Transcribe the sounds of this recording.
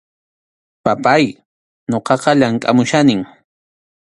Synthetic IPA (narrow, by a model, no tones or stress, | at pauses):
papaj | ɲoqɑqɑʎaŋkʼamʊʃanɪŋ